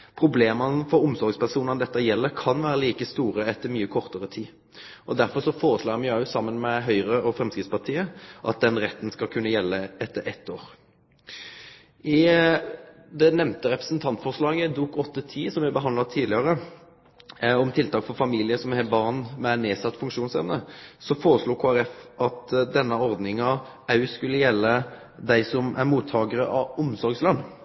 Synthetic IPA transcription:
pʰʁʊbleːmənəfɔɾʊmsɔɾɡspæʁʂuːnəd̪ɛt̪ːəjɛlːəkʰɑnʋæːɾəliːkəst̪uːɾəɛt̪ːəɾmyːəkʰɔɾt̪əʁət̪ʰiː | ʔɔd̪æɾfɔʁʂɔfoːɾəʂlɑːmɛʉsɑmːənmɛɦœʏʁəɔfɾɛmskʁɪt̪spɑʁt̪ʰiːəʔɑt̪̚d̪ɛnʁɛt̪ːnskɑlkʰʉnːəjɛlːəɛt̪ʰːəɾʔɛt̪ːoːɾ | ɪ | d̪ɛnɛmnt̪əʁɛpɾəsnt̪ʰɑnt̪fɔʁʂlɑːɡəd̪uːkɔt̪ːət̪ʰiːsɔmʋɪbəɦɑnd̪lɑt̪ʰiːd̪lɪɑʁə | ɔmt̪ʰɪlt̪ʰɑːkfɔʁfɑmiːlɪəsɔmhɛbɑʁnmɛæɪneːsɑt̪ːfʉŋkʂuːnsɛʋnəsɔfoːɾəsluːkʰoːæɾɛfɑt̪d̪ɛnːəɔɾd̪nɪŋɑ | ɑʉskʉlːəjɛlːə | d̪æɪsɔmʔæ̰ɾmuːt̪ʰːɑːɡəʁəʔɑʊmsɔɾɡslɑnː

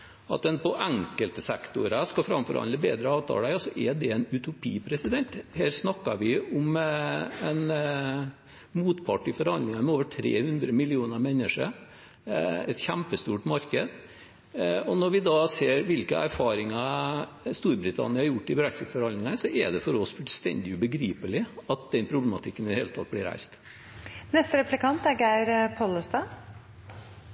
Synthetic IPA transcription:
ɑ̰t̪̚d̪ɛnpɔʔæŋkəlt̪əsɛkt̪ʊɾəskɑfɾɑmfɔɾhɑ̰nd̪əbḛːd̪ɾəɑːʋt̪ʰɑ̰ːlæɔsɔʔɛɖɛɛnʉt̪ʰʊpʰiːpʰɾɛsɪd̪ɛnt̪hæːɾsnɑkːɑɾʋɪʊm | ɛn | muːt̪pʰɑʈːɪfɔɾhɑnd̪ɪŋɑɾmɛoːʋəʈʰɾḛːhʉnd̪ɾəmɪlɪuːnəmɛnːəʂəɾ | ɛ̰t̪çæmpəst̪uːʈmɑɾkəd̪ | ɔnɔɾʋɪd̪ɑseːɾʋɪlkə̰ʔæ̰ɾfɑːɾɪŋɑ | st̪uːɾbɾɪt̪ʰɑ̰nɪəhɑɾjʊʈːɪbɾæksɪt̪fɔɾɑnd̪ɪŋɑsɔʔɛd̪ɛfɔɾɔsfʉlst̪ɛ̰nd̪ɪʉbəɡɾiːpəlɪɑt̪̚d̪ɛnpʰɾʊblɛmɑt̪ʰɪkːənɪd̪əheːlət̪ʰɑt̪̚blɪɾæ̰ɪst̪ | nɛst̪əɾɛplɪkɑnt̪æɾɡæɪɾpʰɔləst̪ɑː

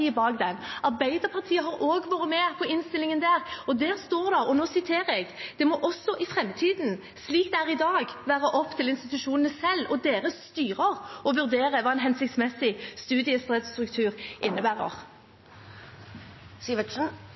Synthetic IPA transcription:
iːəbɑːɡd̪ɛmɑʁbæɪd̪əʁpʰɑʁt̪ʰiːəɦɑɾoːɡʋɑːɾəmɛpʰɔɪnst̪ɪlːɪŋənd̪æːʁɔd̪æːɾst̪oːʁd̪æʁɔnoːsɪt̪ʰeːɾɛɡd̪̥ɛmɔʔɔsːɔʔɪfʁɛmːt̪ʰiːd̪n̩ | sliːkd̪ɛæːʁɪd̪ɑːɡʋæːʁəʔɔpːt̪ʰɪlɪnst̪ɪt̪ʉʃuːnənəsɛlːɔd̪eːɾəst̪yːʁəʁɔʋʉʁd̪eːʁəʋɑːɛnɦɛnsɪkt̪smɛsɪst̪ʉːd̪ɪəst̪ʁɛd̪st̪ɾʉkt̪ʰʉːʁʔɪnːəbæːʁə̰ʁ | siːʋəʃ̩

